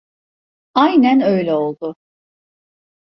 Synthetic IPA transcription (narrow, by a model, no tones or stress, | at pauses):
ajnænø̞jlʲɛo̞lˠd̪ʊ